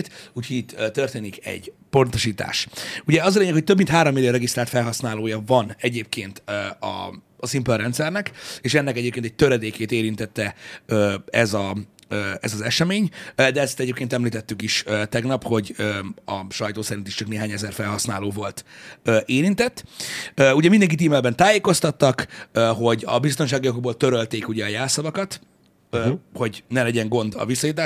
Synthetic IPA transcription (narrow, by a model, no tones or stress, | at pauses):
t̪ucʰoɟit̪øːt̪ørt̪eːnikʰɛ̰ɟ | po̞nt̪o̞ʃiːt̪a̰ːʃuɟɛɒzɒleːɲɛkhoc̚t̪ø̞bmint̪ɦaːɾomːilːijoɾɛɡist̪ɾaːlt̪fɛlɦɒsnaːloːjɒvɒnɛɟeːp̚kʰeːnt̪ːɒ̰ | simpɛlrɛnt̪sɛrnɛkeːʃɛnːɛkɛɟeːpkeːnt̪ɛc̚t̪øɾɛd̪eːkeːt̪eːɾint̪ɛt̪ːɛøːɛzɒ | øɛzɒzɛʃɛmeːɲød̪ɛɛst̪ɛɟeːp̚keːnt̪ɛmliːt̪ɛt̪ːykiʃøːt̪ɛɡnɒpho̞ɟøːɒ̰ʃɒjt̪oːsɛɾint̪iʃt͡ʃɒkneːɦaːɲɛzɛrfɛlɦɒsnaːloːvo̞lt̪øːʔeːɾint̪ɛt̪ːøːuɟɛmind̪ɛŋk̬it̪̬iːmɛlbɛnt̪aːjeːko̞st̪ɒt̪ːɒkøɦo̞ɟɒ̰bist̪o̞nʃaːɡijɒkoɡboːlt̪ø̞ɾø̞lt̪eːkuɟɛɒjaːlsɒvɒkɒt̪ | øho̞ɟnɛlɛɟɛŋɡo̞nd̪ɒ̰visːɒjit̪aː